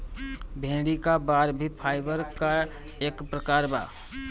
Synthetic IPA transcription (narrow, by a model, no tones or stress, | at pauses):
bʱẽːɽikabaɾbʱipʰaːɪbəɾka | eːkpɾəkaːɾba̰ː